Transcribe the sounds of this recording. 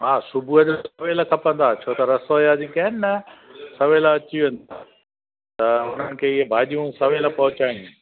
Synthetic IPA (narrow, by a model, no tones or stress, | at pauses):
ɦaːsʊbʱuəʄsɐʋeːlkʰɐpə̃nd̪aːt͡ɕʰoːt̪ɐɾɐsoːjad͡ʑĩːkɐnnɐsɐʋeːlɐt͡ɕiʋẽːn̆d̪a̰ː | t̪ɐʊn̤ənɪ̆kʰeːɪɦebʱaːʄijũsɐʋeːlpɐɦʊt͡ɕaːĩ